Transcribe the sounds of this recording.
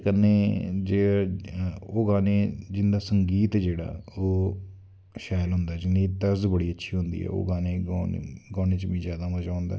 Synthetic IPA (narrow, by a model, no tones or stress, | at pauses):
kənːeːd͡ʒeː | oːɡãːneːd͡ʒɪnd̪aːsəŋɡiːt̪d͡ʒeːɽa̰ːoː | ʃaːlɦʊnd̪aːd͡ʒɪnd̪iːt̪əɾzbəɽiːətːʃʰiːɦʊnd̪ḭːɛ̰ːo̰ːɡãːneːɡɔːneːt͡ʃʋĩːzjaːd̪aːmət͡ʃaːnd̪a̰ː